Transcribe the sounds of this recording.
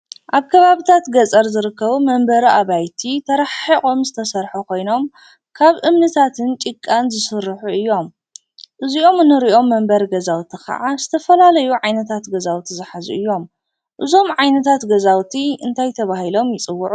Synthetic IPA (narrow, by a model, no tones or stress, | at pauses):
ʔaβkʰɐβaβit̪ʰat̪ɡɐt͡sʼɐɾzɨɾɨkːɐβumɐmbɐɾiaβajt̪ʰit̪ʰɐɾɐħikʼomzɨt̪ʰɐsɐɾħukʰo̞jno̞m | kʰaβʔɨmnɨt̪ʰat̪ʰɨnt͡ʃʼikʼːanzɨsɨɾːɨħuɨjːo̞m | ʔɨzio̞mɨnːɨɾiʔo̞mːɐmbɐɾɡɐzawt̪ʰixɐ̰ʕazɨt̪ʰɐfɐlalɐjuʕajnɐt̪ʰat̪ɡɐzawt̪ʰizɨħazuʔɨjːo̞m | ʔɨzo̞mʕajnɐt̪ʰat̪ɡɐzawt̪ʰiɨnt̪ʰajt̪ʰɐβahilo̞mjɪt͡sʼɨwːʊʕu